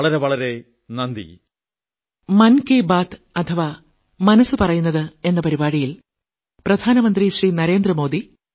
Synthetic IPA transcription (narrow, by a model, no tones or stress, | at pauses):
ɭɐɾe̞ʋɐɭɐɾe | nɐnd̪ḭ | mɐnkeːbaːt̪ | ɐt̪ʰɐʋaː | mɐnɐsːɨpɐrɐjunːɐðɨe̞nːɐpɐɾibaːɽijil | prɐd̪ʱaːnɐmɐnd̪riɕriːnɐɾe̞ːnd̪rɐmo̞ːd̪i